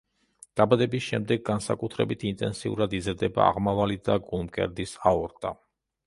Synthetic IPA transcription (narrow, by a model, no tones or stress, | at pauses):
d̪̥abad̪ɛbisʃɛmd̪ɛɡːansa̰kʼut̪ʰɾɛbit̪ʰint̪ʼɛnsiṵɾad̪izɾd̪ɛba̰ːʁmavalid̪aɡulˠmkʼɛ̰ɾd̪isaɔɾt̪ʼa